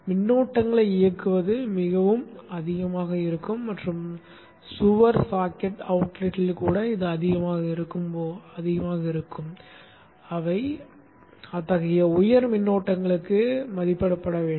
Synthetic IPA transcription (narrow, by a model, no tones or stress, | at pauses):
mɪnːoːʈːɐŋɡɐɭɐɪɪjɐkːɯʋɐðɯmɪɣɐʋɯmɐðɪɣɐmaːɣɐɪɾɯkːɯmːɐʈrɯm | sʊʋɐɾsaːkɛʈɐʊʈlɪʈːɪlkuːɽɐɪðɯɐðɪɣɐmaːɣɐɪɾɯkːɯmoɐðɪɣɐmaːɣɐɪɾɯkːɯm | ɐʋɐɪ | ɐt̪ːɐɣɐjɐʊjɐɾmɪnːoːʈːɐŋɡɐɭɯkːɯmɐðɪpːɐɽɐpːɐɽɐʋeː